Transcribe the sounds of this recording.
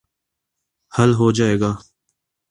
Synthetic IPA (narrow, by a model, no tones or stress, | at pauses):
hɐlɦoːd͡ʒaːeːɡaː